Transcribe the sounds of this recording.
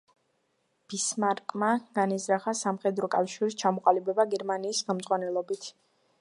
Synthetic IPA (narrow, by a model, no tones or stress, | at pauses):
b̥ismaɾkʼmaɡ̥anizɾaχasamχɛd̪ɾɔkʼafʃiɾist͡ʃʰamɔqʼalibɛbaɡɛɾmaniːsχɛmd̪zʼʁwanɛlˠɔbit̪ʰ